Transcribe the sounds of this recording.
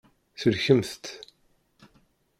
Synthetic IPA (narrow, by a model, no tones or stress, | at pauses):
θəlçəmθt̪